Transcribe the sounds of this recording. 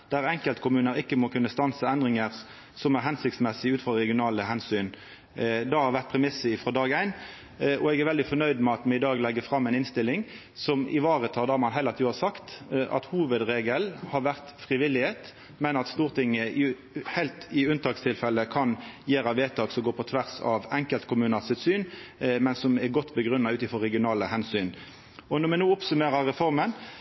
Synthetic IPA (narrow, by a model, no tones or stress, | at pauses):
d̪̥æɾɛŋkəlt̪kʰʊmʉːnəɾɪkːəmɔkʰʉnːəst̪ɑnsəɛnd̪ʁɪŋəɾ | sɔmæɾɦɛnsɪkt̪smɛsɪʉːt̪fʁɑʁɛɡɪʊnɑːləhɛnsyːn | d̪ɑhɑɾʋæʁt̪̚pʰɾɛmɪsəɪfɾɔːd̪ɑːɡæɪn | ɔɛɡæɾʋɛld̪ɪfɔnœʏd̪mɛɑt̪mɛɪd̪ɑːɡlɛɡəfɾɑmːɛɪnɪnst̪ɪlːɪŋ | sɔmɪ̰ʋɑːʁət̪ʰɑld̪æːmɑnɦɛlɑt̪ʰiːʋɑsɑkt̪ʔɑ̰t̪huːʋəd̪ʁeːɡəlhɑɾʋæʁt̪fʁɪʋɪlːɪheːt̪ | mɛnɑt̪st̪uːʁt̪ʰɪŋːə | hæɪlt̪ɪʉnt̪ʰɑːkst̪ʰɪlfɛlːəkʰɑnjeːɾɑʋeːt̪ʰɑːɡsɔɡoːpʰɔt̪ʰʋæʁsɑ̰ʋɛŋkəlt̪kʰʊmʉːnɑsʉt̪syːnmɛnsɔmɛɾɡɔt̪ːbəɡɾʉnːɑʉːt̪ɪfɔɾɛɡɪʊnɑːləhɛnsyːn | ɔnɔmɛnuːɔpsʉmeːɾɑɾɛfɔɾmən